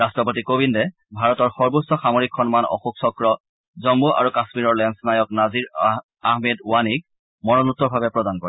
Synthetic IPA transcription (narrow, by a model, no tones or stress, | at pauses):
ɹastɹɔpotikobindɛ | bʱaɹɔtɔɹxɔɹbusɔxamoɹikʰxɔnmanɔ̰xuksɔkɹɔ | zɔmbuʔa̰ɹukasmiɹɔɹlɛnsnajɔknaziɹ | ahmeduwanik̚ | mɔnɔnutːɔɹbʱabɛpɹɔdankɔɹɛ